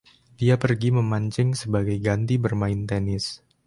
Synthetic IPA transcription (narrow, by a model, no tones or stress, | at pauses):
diapərɡiməmaɲt͡ʃɪŋsəbaɡajɡant̪ibərmaɪnt̪ɛnɪs